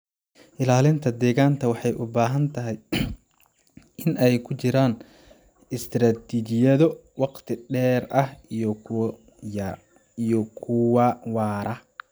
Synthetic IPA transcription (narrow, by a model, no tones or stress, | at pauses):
ʔɪlaːlɪnt̪ʰɐd̪ɛːɣaːnt̪ʰɐwɑħɑjʔʊbaːɦɐnt̪ʰɐɦɛj | ɪnʔɛjkʰʊt͡ʃɪɾaːn | ɪst̪ʰɾaːt̪ʰiːt͡ʃɪjɐðɔwɑqt̪ʰɪɖɛːrɐhiɔ | ijɔkʰʊwɐwɑːɾɐ